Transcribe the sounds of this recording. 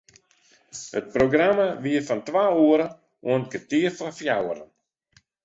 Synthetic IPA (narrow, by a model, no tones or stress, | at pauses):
hət̚proɡramaʋiəfantwaːuəɾə | uənɡətiərfafjawəɾən